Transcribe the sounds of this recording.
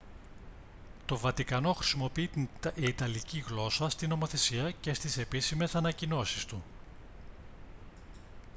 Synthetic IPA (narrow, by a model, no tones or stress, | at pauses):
t̪o̞vɐt̪ikɐno̞xɾi̥simo̞piiːt̪ɐliciɣlo̞sɐst̪ino̞mo̞θe̞siɐce̞st̪ise̞pisime̞sɐnɐcino̞sist̪u